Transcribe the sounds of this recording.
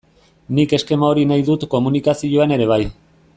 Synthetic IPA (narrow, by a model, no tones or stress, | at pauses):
nike̞ske̞maoɾinajðut̪ko̞munikasioane̞ɾe̞β̞aj